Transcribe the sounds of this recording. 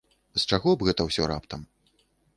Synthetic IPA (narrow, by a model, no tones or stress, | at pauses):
st͡ʂaɣɔbɣɛt̪ɐwsʲɔɾa̰pt̪ɐm